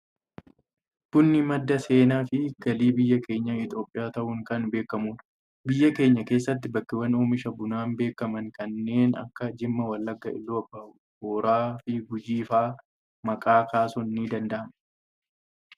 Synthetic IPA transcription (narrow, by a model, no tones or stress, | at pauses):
b̥ʊnːɪmɐd̪ːɐse̞ːnaːfɪɡ̥ɐliːbɪjːɐke̞ːɲːɐɪt̪ʼo̞ːpʼːɪjaːt̪ɐʔuːŋkɐnbe̞ːkːɐmuːᶑ | bɪjːɐke̞ːɲːɐke̞ːsːɐt̪̬ːɪbɐkːɪwɐnoːmɪʃɐbʊnaːmbe̞ːkɐmɐŋkɐnːe̞ːnɐ̰kːɐd͡ʒɪmːɐwɐlːɐɡːɐɪ̰lːuɐbːɐʔʊ | hoːɾaːfɪɡʊd͡ʒiːfaː | mɐkʼaːkʰaːsɔnːiːd̪ɐnd̪ɐʔɐm